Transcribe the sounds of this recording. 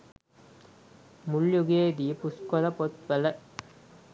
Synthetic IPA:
mʊljuɡeːd̪ipʊskɔlɐpɔt̪ʋɐlɐ

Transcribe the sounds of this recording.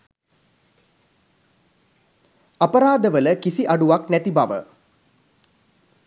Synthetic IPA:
apəɾaːd̪əʋələkisiʔaɖuʋaknæt̪ibaʋə̰

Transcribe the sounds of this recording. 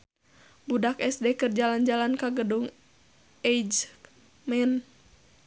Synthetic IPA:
budakɛsdɛkɨrd͡ʒaland͡ʒalankaɡəduŋ | ɛjd͡ʒ | mɛn

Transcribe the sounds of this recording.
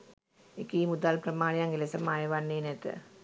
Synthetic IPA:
ekːiːmud̪aːlprɐmaːɭjaŋɡilɐsɐmaːjɐʋanːeːnet̪ːɨ̰

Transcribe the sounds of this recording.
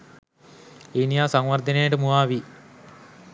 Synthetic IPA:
enijaːsɐŋʋɐrd̪ʱɐneːɖɨmuaːʋi

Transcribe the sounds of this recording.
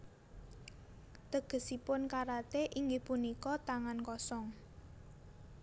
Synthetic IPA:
t̪əɡ̥ə̤sipʊnkaɾat̪eʔiŋɡehpunikɔt̪aŋankɔsɔŋ

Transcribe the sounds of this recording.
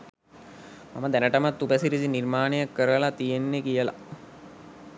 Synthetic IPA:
ma̰məd̪ænəʈəmat̪ːubəsiɾid͡ʑinirmaːnejakːəɾəlat̪ijenːekijəla̰

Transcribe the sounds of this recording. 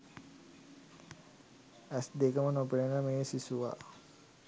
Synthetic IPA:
æsd̪ekəmənopelenəmeːsisuʋa̰

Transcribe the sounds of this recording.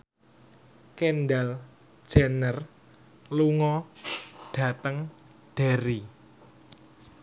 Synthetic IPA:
kenɖal | d̥ʒ̥anər | luŋɔ | ɖ̥a̤t̪əŋ | ɖ̥a̤ɾi

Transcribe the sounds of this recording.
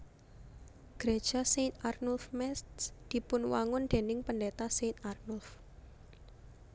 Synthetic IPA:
ɡ̥ɾed̥ʒ̥a̤set̪̚arnulfmɛst̪sd̪̥i̤pʊnwaŋʊnd̪̥e̤nɪŋpəndet̪aset̪̚arnʊlf

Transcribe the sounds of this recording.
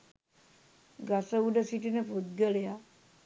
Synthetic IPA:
ɡasəuɖəsiʈinəpud̪̚ɡəleja

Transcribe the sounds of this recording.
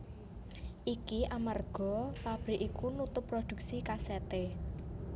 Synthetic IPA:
ʔikiʔamarɡ̥ɔ̤pab̥ɾiʔikunut̪ʊpːrod̪̥ṳk̚sikaset̪e

